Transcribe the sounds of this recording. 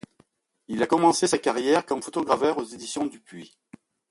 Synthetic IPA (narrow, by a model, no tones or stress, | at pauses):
ilakɔmɑ̃sesakaʁjɛʁkɔ̃mfot̪ɔɡʁavœʁozed̪isjɔ̃d̪ypɥi